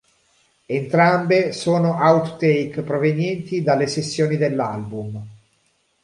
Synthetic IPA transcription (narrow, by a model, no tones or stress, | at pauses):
ent̪ɾambesoːnoʔawt̪ːejkpɾovenjɛnt̪id̪alːesesːjoːnid̪elːalbum